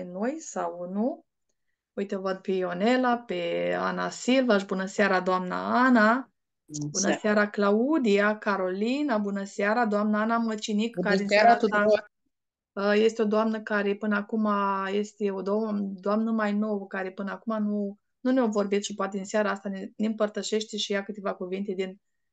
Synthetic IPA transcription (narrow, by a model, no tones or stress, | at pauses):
nojsawnu | ujt̪əvəd̪̚peone̞lapea̰na̰silvaʃ̬bunəseaɾad̪oamna̰ana | bunəsaɾaklaud̪ijakaɾo̞linabunəsaɾad̪oamnəanamət͡ʃinikkːaɾeinaɾaa | əje̞st̪eo̞d̪oamnəkaɾe̞pɨnəakumaje̞st̪eod̪od̪oamnəmajno̞wəkaɾe̞pɨnəakumanu | nuneo̞vo̞rbit̪ʃipoat̪ed̪inseaɾaast̪anenempərt̪əʃe̞ʃt̪e̞ʃijakɨt̪e̞vakuvint̪e̞d̪in